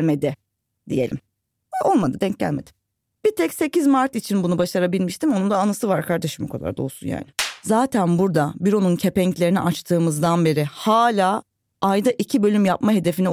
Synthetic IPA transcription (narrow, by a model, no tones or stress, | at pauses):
lʲme̞d̪ɪ | d̪ije̞̰lʲḭm | o̞lˠmad̪ɯd̪ɛɲcɟæ̰lʲme̞d̪ɪ̥m | b̥it̪ʰɛcse̞cizmaɾt̪it͡ʃʰinbunubaʃaɾabilʲmiʃt̪ʰimonund̪aːnasɯvaɾkʰaɾd̪ɛʃimokʰa̰d̪ˠa̰ɾd̪o̞̰lˠsṵnja̰ːnɪzaːt̪ʰænbuɾd̪abiɾo̞nuncʰe̞pɛɲclʲe̞ɾinḭʔat͡ʃt̪ʰɯːmɯzd̪anbe̞ɾɪhaːlʲaː | ajd̪aʔicʰibø̞lʲymjapmaɦe̞d̪e̞fini